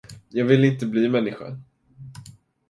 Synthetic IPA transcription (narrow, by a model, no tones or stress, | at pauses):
jɑːɡvɪlːɪnt̪əbliːmɛnːɪɧa̰